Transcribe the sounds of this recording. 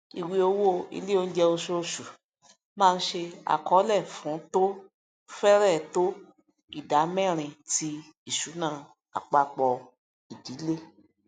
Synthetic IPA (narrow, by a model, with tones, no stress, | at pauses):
i˨wi˧o˧wo˦ḭ˧li˦o˦˧n̩˦d͡ʒɛ˧o˧ʃo˧ʃu˨ | mãː˦˧n̩˦ʃe˧a̰˨kɔ˨˦lɛ˦˨fũ˨˦to˦ | fɛ˦ɾɛ˦˨to˦ | i˦˨da˨˦mɛ̃˦˨ɾ̃ĩ˧ti˧ | i˦˨ʃu˨˦nã˦˨ | a̰˨k͡pa˨˧k͡pɔ˧ | i˨di˨˦le˦